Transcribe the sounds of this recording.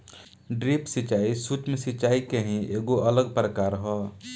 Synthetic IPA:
ɖɾipsit͡ʃaisut͡ʃmesit͡ʃaikeɦĩʔeɡoʔələɡ̚pɾəkaɾɦɔ

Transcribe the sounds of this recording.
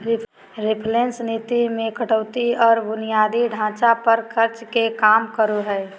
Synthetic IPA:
ɾɪpʰlẽnsnit̪imẽkəʈəʊt̪iɔːɾbʊnijaːd̪iɖʱãːt͡ʃapəɾkʰəɾt͡ʃkekaːmkəɾuɦɛː

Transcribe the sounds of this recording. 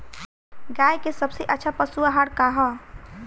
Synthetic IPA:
ɡajkesəbseʔətːt͡ʃʰapəsuaɦaɽkaɦɔ

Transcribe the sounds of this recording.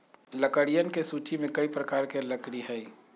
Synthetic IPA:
lɐkəɽijənkesuːt͡ʃimẽkɐipɾɐkaːɾkelɐkɽiɦɛi

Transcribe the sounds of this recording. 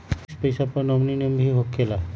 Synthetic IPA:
spəjsapəɾnɔmninembʱiɦokʰːela

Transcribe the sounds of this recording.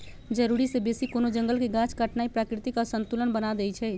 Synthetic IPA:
d͡ʒəɾuɾisebesikonod͡ʒəŋɡəlkeɡãt͡ʃkəʈnaipɾakɾit̪ikɔsənt̪ulənbənad̪ɛt͡ʃʰɛ

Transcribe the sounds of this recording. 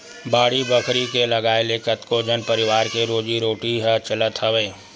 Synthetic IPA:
baːɽibəkʰɾikelɐɡaːelekət̪kod͡ʒənpəɾɪwaːɾkeɾoːd͡ʒiɾoːʈiɦət͡ʃələt̪ʰɦəweː

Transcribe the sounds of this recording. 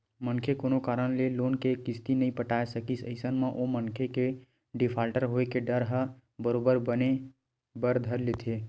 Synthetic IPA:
mənkʰekoːnokaːɾəñleloːnkekɪst̪inəɦĩpəʈaːesəkisə̰ɪsənmãʔomənkʰeke | ɖɪpʰaːlʈəɾɦoːekeɖəɾɦə | bəɾoːbəɾbəne | bəɾd̪ʱəɾlet̪ʰeː

